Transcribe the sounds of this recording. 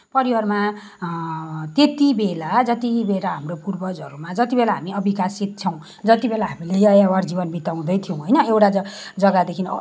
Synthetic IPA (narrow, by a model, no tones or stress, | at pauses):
pʌɾiwʌrma | t̪et̪ibelad͡zʌt̪ibelaɦamropurbʌd͡zʌɾumad͡zʌt̪ibelaɦamiʌbikasit̪̚t͡sʰʌw̃ | d͡zʌt̪ibelaɦamilejʌjaward͡zibʌnbit̪aw̃d̪ʌjt̪ʰijõw̃ɦʌjnʌewʈad͡zʌɡad̪ekʰin